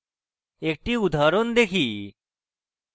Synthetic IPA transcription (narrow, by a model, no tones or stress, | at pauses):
ek̚ʈiud̪ʱaːɾond̪ekʰiː